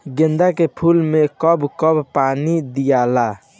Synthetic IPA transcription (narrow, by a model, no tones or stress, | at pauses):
ɡẽnd̪akepʰulmekəbkəbpanid̪ijala